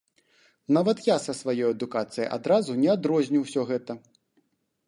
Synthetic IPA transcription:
navɐt̪jasɐsvajɔjɐd̪ukat̪sɨjɐ̰jʔa̰d̪ɾazunʲɛad̪ɾɔzʲnʲiwsʲɔɣɛt̪ɐ

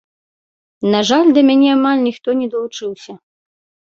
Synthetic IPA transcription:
naʐalʲd̪ɐmʲanʲɛamalʲnʲixt̪ɔnʲɛd̪ɐlˠut͡ʂɨwsʲɐ

